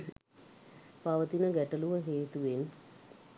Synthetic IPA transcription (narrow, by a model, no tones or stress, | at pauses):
paʋət̪inəɡɛʈɐluʋəɦeːt̪uʋen